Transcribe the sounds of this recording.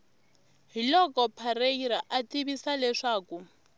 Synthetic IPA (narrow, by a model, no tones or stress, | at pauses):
ɦilɔkʼɔpʰaɾeiɾaʔatʼiβisalɛʂaːkʼu